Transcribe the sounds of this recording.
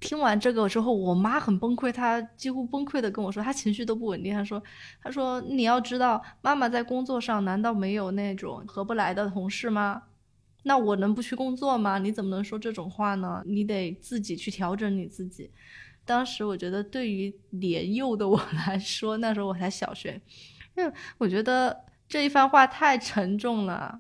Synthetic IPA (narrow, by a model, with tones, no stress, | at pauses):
t̪ʰi˥ŋwa˧˥nʈ͡ʂɤ˥˩ɡə˩ʈ͡ʂɻ̩˥xo˥˩ʊwɔ˨˩ma˥xə˨˩npə˥ŋkʰwe˥˩ɪt̪ʰa˥t͡ɕi˥xu˥pə˥ŋkʰwe˥˩ɪd̪ə˩kə˥nwɔ˨˩ʂwɔ˥t̪ʰa˥t͡ɕʰi˧˥ŋɕy˥˧o˥ʊp̬u˥˩wə˨˩nt̪i˥˧t̪ʰa˥ʂwɔ˥ | t̪ʰa˥ʂwɔ˥ni˨˩jɑ˥˩ʊʈ͡ʂɻ̩˥t̪ɑ˥˩ʊma˥ma˨t͡sa˥˩ɪkʊ˥ŋt͡swɔ˥˧ʂɑ˥˩ŋna˧˥nt̪ɑ˥˩ʊme˧˥ɪjo˨˩ʊna˥˩ɪʈ͡ʂʊ̰˨˩˦ŋxɤ˧˥pu˥˩la˧˥ɪd̪ə˧t̪ʰʊ˧˥ŋʂɻ̩˥˩mɐ˩ | na˥˩wɔ˨˩nɤ˧˥ŋp̬u˧˥t͡ɕʰy˥˩kʊ˥ŋt͡swɔ˥˩mɐ˩ni˧˥t͡sə˨˩mə˦nɤ˧˥ŋʂwɔ˥ʈ͡ʂɤ˥˩ʈ͡ʂʊ˨˩ŋxwa˥˩nə˩ni˧˥t̪̬e˨˩ɪt͡sɹ̩˥˩t͡ɕi˨˩t͡ɕʰy˥˩t̪ʰjɑ˧˥ʊʈ͡ʂə˧˥ŋni˨˩t͡sɹ̩˥˩t͡ɕi˨˩˦ | t̪ɑ˥ŋʂɻ̩˧˥wɔ˨˩t͡ɕɥɛ˧˥d̪ə˧t̪we˥˩ɪy˧˥ljɛ˧˥njo˥˩ʊd̪ə˩wɔ˨˩la˧˥ɪʂwɔ˥na˥˩ʂɻ̩˧˥xo˧˥wɔ˨˩t͡sʰa˧˥ɪɕjɑ̰˨˩ʊɕɥɛ̰˨˧˩ni˥we˥˩wɔ˨˩t͡ɕɥɛ˧˥d̪ə˧ʈ͡ʂɤ˥˧i˥˩fa˥˧nxwa˥˧t̪ʰa˥˩ɪʈ͡ʂʰə˧˥ŋʈ͡ʂʊ˥˩ŋlə̰˩